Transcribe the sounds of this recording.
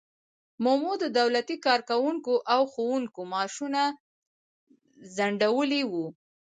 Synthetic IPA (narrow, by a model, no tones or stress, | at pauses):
momod̪əd̪awlat̪ikɑɾkawuŋkoʔawxowuŋkomɑʃuna | zaɳɖawəliwu